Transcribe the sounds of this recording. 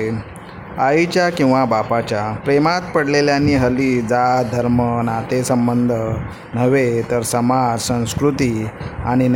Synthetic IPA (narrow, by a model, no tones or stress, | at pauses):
ait͡ɕjakĩw̃ʋabapat͡ɕjapɾemat̪pəɽleljanːiːɦəliːd͡zad̪ʱəɾmənat̪esəmbənd̪ʱə | nəʋet̪əɾsəmad͡zsə̃w̃skɾut̪iːa̰ɽ̃in